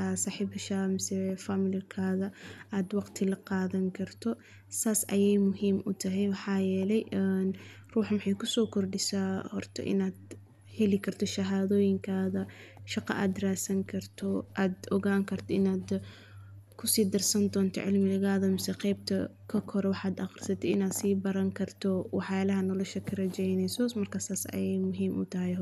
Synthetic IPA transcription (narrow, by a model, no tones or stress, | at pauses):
saːħiːbɪʃaːmɪsɛfamɪlɪlkʰaːðɐaːd̪wɑqt̪ʰɪlɐqɑːðɐŋkʰɐrt̪ʰɔ | saːsɐ̰jɛjmʊɦiːmʔʊ̰t̪ʰɐɦɛjwɑħɑːjɛːlɛjn | ruːħmɪħɑjkʰʊsɔːkʰɔrɖɪsaːhɔrt̪ʰɔ̰ʔɪ̰naːd̪ | hɛlɪkʰɐrt̪ʰɔʃɐɦaːðɔːjɪŋkʰaːðɐʃɑqɑ̰ʔaːd̪raːsɐŋkʰɐrt̪ʰɔʔaːd̪ɔɣaːŋkʰɐrt̪ʰɔɪnaːd̪ | kʰʊsiːd̪ɐrsɐnd̪ɔːnt̪ʰɔ̰ʕɪlmɪɣaːðɐmɪsɛqɛjb̚t̪ʰɐ | kʰɐkʰɔɾɛwɑħaːd̪ɑqrsɐt̪ʰɛɪ̰naːd̪siːbɐɾɐŋkʰɐrt̪ʰɔwɑħjaːlɐɦɐnɔːlɔʃɐkʰɐrɐt͡ʃɛjnɛjsɔsmɐrkʰaːsaːsɐ̰jɛjmʊɦiːmʔʊ̰t̪ʰɐɦɛj